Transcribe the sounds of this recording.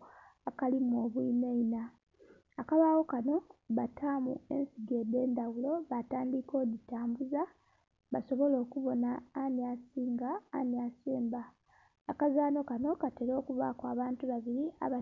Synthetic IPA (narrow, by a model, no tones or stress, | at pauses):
akalimuo̞ːβwiːneinaː | kaβaːwo̞kano̞βatʰaːmṵe̞̰nsiɡe̞ːde̞ːndawulo̞βataːndiko̞ːditaːmbuza | βaso̞βo̞lo̞ːkuβo̞naːniasiːŋɡa̰ːniaseːmbaː | kazaːno̞kano̞kateɾo̞ːkuβa̰kwaːβaːntuβaβiɾia̰βa